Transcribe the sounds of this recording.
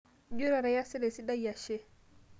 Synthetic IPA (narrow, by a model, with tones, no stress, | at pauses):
d͡ʒu˦ɾa˨ɾa˨ja˦si˦le˨si˦da˦ja˨ʃe˦